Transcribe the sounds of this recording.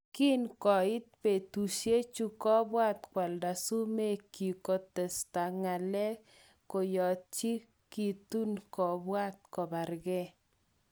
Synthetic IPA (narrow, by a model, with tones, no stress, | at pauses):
ki˦nkɔ˨ɪ˦t̪̚pe˨tu˨ʃje˦t͡ʃu˦kɔ˦bwa˦t̪kwa˨lda˨su˦me˦˨ki˨ko˨tɛ˨sta˨ŋa˨lɛ˦ | ko˨jɔ˨t͡ʃi˦ | ki˨tu˦nkɔ˨bwa˦t̪̚kɔ˨ba˨ɾɡɛ˦